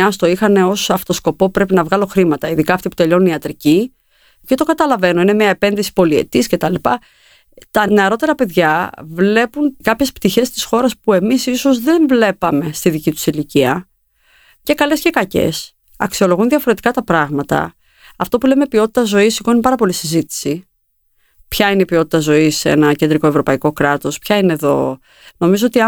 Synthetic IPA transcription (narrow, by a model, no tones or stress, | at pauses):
ɐst̪o̞ixɐne̞o̞sɐft̪o̞sko̞po̞pɾe̞pinɐvɣɐlo̞xɾimɐt̪ɐiðikɐːft̪ipu̥t̪e̞ʎo̞nuniɐt̪ɾici | cet̪o̞kɐt̪ɐlɐve̞no̞ine̞miɐepe̞nðisi̥po̞lie̞̰t̪isce̞t̪ɐlipɐ | t̪ɐne̞ɐɾo̞t̪e̞ɾɐpe̞ðʝɐvle̞punkɐpçe̞spt̪içe̞st̪i̥sxo̞ɾɐspue̞misiso̞zðe̞ɱvle̞pɐme̞st̪iðicit̪u̥siliciɐ | ce̞kɐle̞sce̞kɐce̞̰s | ɐksio̞lo̞ɣunðiɐfo̞ɾe̞t̪i̥kɐt̪ɐpɾɐɣmɐt̪ɐ̰ | ɐft̪o̞pule̞mepio̞t̪i̥t̪ɐzo̞isikoinipɐɾɐpo̞lisizit̪i̥si | pçɐineipio̞t̪i̥t̪ɐzo̞isḛnɐcend̪ɾiko̞e̞vɾo̞pɐiko̞kɾɐt̪o̞spçɐine̞ðo̞̰ | no̞mizoo̞t̪iɐ